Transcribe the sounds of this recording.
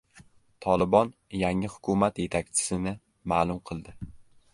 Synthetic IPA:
t̪ʰɒlˠɪbɒn | jaŋɪhʊ̥kʰʊmat̪je̞t̪ʰak̚ʲt͡ʃʰɪ̥sɪnɪ | maːlˠʊmqʰɨlˠd̪ɪ

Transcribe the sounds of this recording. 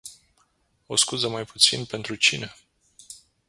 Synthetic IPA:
o̞̰skuzəmajput̪sinpe̞nt̪ɾut͡ʃine̞

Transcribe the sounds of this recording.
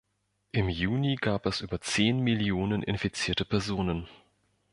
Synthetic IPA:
ʔɪmjuːniɡaːpɛsʔyːbɐt͡seːnmɪljoːnənʔɪ̰nfit͡siːɐtəpʰɛɐzoːnən

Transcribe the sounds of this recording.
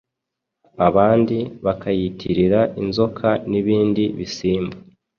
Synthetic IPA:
aβaːndiβakʰajitʰiɾiɾaʔinzo̞kʰaniβiːndiβisiːmba

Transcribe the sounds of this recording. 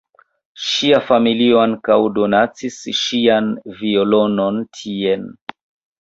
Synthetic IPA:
ʃiafamilioaŋkawdo̞nat͡sisʃianviolo̞no̞ntʰien

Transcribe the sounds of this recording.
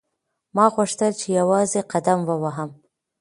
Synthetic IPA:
mɑɣuʂt̪əlt͡ʃejawɑzeqad̪amwəwaɦəm

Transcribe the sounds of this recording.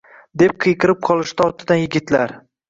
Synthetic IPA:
d̪e̞p̚qʰɨjqʰɨɾɪp̚qʰɒlˠɪʃd̪aɒt̪ʰːɪd̪anjɪɡʲɪt̪laɾ

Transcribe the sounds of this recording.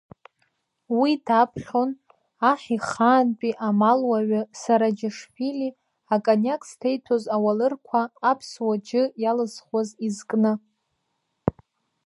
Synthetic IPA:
widapʰχo̞n | aχʲiχaːnpʼiʔamalwaɥasaɾad͡ʒɪʂpili | akʼanakʼstʰejtʰozawalɨrkʷʰaːpʰswad͡ʒɪjalɨzχwazizkʼnɨ

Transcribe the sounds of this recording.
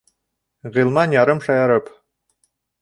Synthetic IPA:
ʁĭlˠmɑnjɑɾɤmʃɑjɑɾɤp

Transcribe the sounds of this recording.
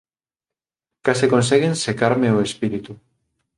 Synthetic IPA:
kaseko̞ns̬eɣense̞kaɾmeoespiɾit̪u

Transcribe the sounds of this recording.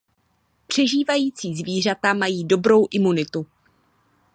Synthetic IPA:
pr̝̥ɛʒiːvajiːt͡siːzviːr̝at̪amajiːdo̞bɾo̞wʔɪmunɪt̪u

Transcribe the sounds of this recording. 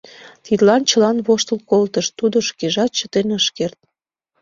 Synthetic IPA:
t̪id̪lɑnt͡ɕəlɑnβoʃt̪əlkolt̪əʃt̪ud̪oʃkeʒɑt̪̚t͡ɕə̥t̪enəʃkert̪̚

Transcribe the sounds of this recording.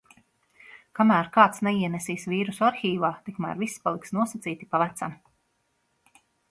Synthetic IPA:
kamæːɾkaːt̪snɛiɛnɛsiːsviːɾusuaɾxʲiːvaːt̪ikmæ̰ːɾvisːpalˠiksnuɔsat̪siːt̪ipavæt̪sam

